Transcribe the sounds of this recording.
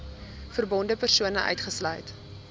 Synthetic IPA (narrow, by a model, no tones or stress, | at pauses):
fərbɔndəpərsuənəʔœ̰ɥtχəslœ̰jt